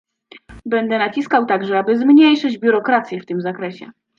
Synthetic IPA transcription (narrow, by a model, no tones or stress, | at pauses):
bɛnd̪ɛnat͡ɕiskawt̪aɡʐɛabɘzmɲejʂɘd͡ʑbʲjuɾɔkɾat̪sʲjɛft̪ɘmzakɾɛɕɛ̰